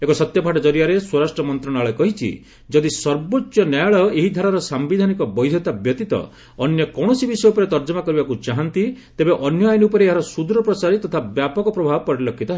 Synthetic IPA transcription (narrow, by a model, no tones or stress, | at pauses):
ekɔsɔt̪jɔpaʈɔd͡ʒɔɾijaɾeswɔɾasʈɾɔmɔnt̪ɾɔñaɭɔkɔɦit͡ʃʰḭ | d͡ʒɔd̪isɔɾbott͡ʃːjɔnajɭɔeɦid̪ʱaɾaɾɔsambid̪ʱanikɔbɔjd̪ʱjɔt̪abjɔt̪it̪ɔ̰ | ɔnjɔkɔɽ̃ɔsibisɔjupɔɾet̪ɔɾd͡ʒɔmakɔɾibakut͡ʃaɦɔnt̪it̪ebeʔɔnjɔajniupɔɾeːɦaɾɔsud̪ɾɔpɾɔt͡ʃaɾet̪ɔt̪ʰabjapɔkɔpɾɔbʱabɔpɔɾilɔkʰːit̪ɔɦ